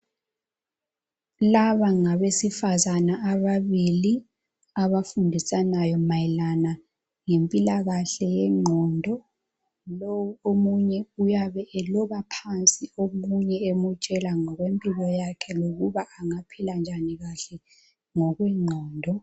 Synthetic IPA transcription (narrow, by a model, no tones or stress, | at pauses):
laβaŋaβesifazanaːβaβili | aβafundʱisanajɔmajilana | ŋempʼilaɣaɬɛjɛŋ͡ǃʱɔndʱɔ | loomuɲɛujaβɛʔɛlɔβapʰant͡sʼiomuɲɛemut͡ʃʼɛlaŋɔɣwempʼilɔjakʰɛloɣuβaʔːŋapʰiland͡ʒʱaniɣaɬɛ | ŋɔɣwɛŋ͡ǃʱɔːndʱɔ